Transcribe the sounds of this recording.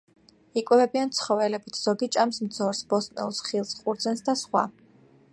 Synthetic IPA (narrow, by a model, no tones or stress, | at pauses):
ikʼwɛvɛbiant̪sʰχɔvɛlɛbit̪ʰz̥ɔɡit͡ʃʼamsmd̪zɔɾsbɔsʼnɛ̰lˠsχilˠsqʼuɾd̪zɛnsd̪asχwa̰